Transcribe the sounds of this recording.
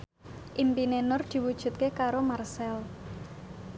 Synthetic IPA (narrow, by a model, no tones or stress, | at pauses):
ʔimpinenʊrd̪̥i̤wud̥ʒ̥ṳt̪̚kekaɾomarsɛl